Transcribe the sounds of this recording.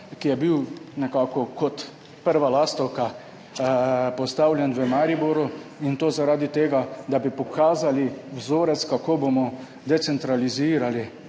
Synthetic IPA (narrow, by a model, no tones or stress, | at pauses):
kijɛbiwnɛkaːkɔkɔt̪ | pəɾʋalaːst̪ɔwka | pɔst̪awlʲjɛnʋəmaɾibɔɾuint̪oːzaɾaːd̪it̪eːɡad̪abipɔkʰaːzaliwzoːɾɛt̪skakoːbomɔ | d̪ɛt̪sɛnt̪ɾaliziːɾali